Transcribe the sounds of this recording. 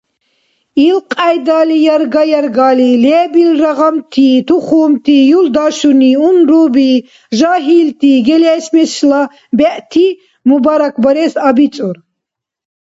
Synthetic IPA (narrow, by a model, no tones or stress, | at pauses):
ilqʼajd̪aːlijaɾɡajaɾɡalilɛːbilraʁamt̪ʰiːt̪ʰuχuːmt̪ʰiːjuld̪aʃuniunɾuːbi | ʒaɦiːlt̪ʰiːɡɛlɛːʃmɛsla | bɛʔt̪ʰi | mubaɾakʰbaɾɛsabit͡sʼuɾ